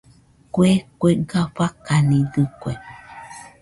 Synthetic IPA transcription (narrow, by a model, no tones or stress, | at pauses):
kʷekʷeɡaɸakanĩdɨkʷe